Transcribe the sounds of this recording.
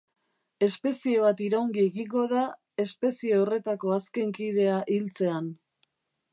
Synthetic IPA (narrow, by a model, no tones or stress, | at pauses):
e̞spe̞sie̞βat̪iɾaoŋɡieɣiŋɡo̞ða | e̞spe̞sieore̞t̪ako̞aske̞ŋkið̞e̞aʔilt͡se̞an